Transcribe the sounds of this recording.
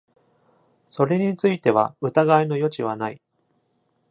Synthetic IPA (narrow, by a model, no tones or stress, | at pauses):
so̞ɾe̞ɲ̟it͡sɨit̪e̞βa̰ɯ̟t̪aɡaino̞jo̞t͡ɕiβ̞anai